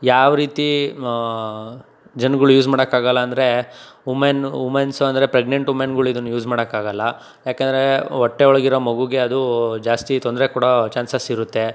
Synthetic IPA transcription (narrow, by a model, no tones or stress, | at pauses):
jaːʋɾiːt̪i | d͡ʒɐnɡɐɭujuːsmaːɽɐkːaːɡɐlːɐːnd̪ɐɾe̞umenumensɐnd̪ɐɾe̞pɾeɡɳeɳʈumenɡɐɭuid̪unːujuːd͡ʒmaːɽɐkːaːɡɐlːɐ | jaːkeːnd̪ɐɾeɔʈːeɔɭɐɡiɾomɐɡuɡe̞ɐd̪ud͡ʒaːst̪it̪ond̪ɾekuːɽɐt͡ʃaːnsɐsiɾut̪ːe